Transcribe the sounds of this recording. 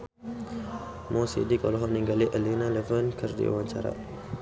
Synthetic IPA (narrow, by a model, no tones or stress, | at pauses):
mɔsḭdikɔ̰lɔɦɔʔniŋɡaliʔəlinalɛvənkərdḭa̰waɲt͡ʃa̰ɾa̰